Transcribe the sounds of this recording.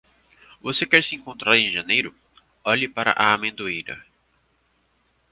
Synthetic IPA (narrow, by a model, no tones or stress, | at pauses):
vosekɛɾsɪẽŋkõnt̪ɾaɾẽj̃ʒɐ̃nejɾʊ | ɔʎɪpaɾɐ̰ʔaːmẽnd̪oejɾɐ̰